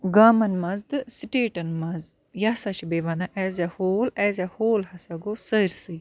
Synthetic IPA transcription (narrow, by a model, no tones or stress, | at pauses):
ɡaːmɐnmɐzd̪ɨsiʈeːʈɐnmɐz | jasat͡ʃibeːʋanaʔɛːzahoːlɛːzʲahoːlhɐsaɡosəjɾsɨ